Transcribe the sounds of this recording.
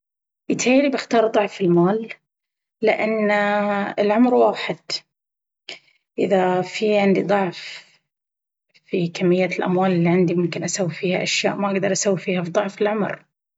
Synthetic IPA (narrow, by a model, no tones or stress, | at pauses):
jɪt̪ħeːlibɪxt̪ɑːɾˤðˤʊʕfɪlmaːlː | ɪʔanːɪlʕʊmɾwaːħɪd̪̥ | ʔɪðafiʕɪnd̪id̪ˤɑʕf | fikamːɪjːalʔa̰mwaːlɪlːiʕɪnd̪imʊmkɪnʔasawːifiːhaʔaʃja̰ːʔmaʔaɡd̪ɑɾˤʔasawːifiːhafid̪ˤʊʕfɪlʕʊmɾ